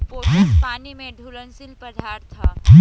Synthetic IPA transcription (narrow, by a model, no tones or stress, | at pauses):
ipaːnimẽɖʱuɾənsilpəd̪ʱaɾt̪ʰaɡi